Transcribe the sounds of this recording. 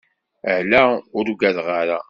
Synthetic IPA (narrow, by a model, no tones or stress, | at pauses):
əhlæʊɾuɡæðʁaɾa